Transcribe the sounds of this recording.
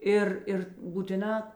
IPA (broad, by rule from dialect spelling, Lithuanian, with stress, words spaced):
ˈɪr ɪr buːtʲɪˈnɑː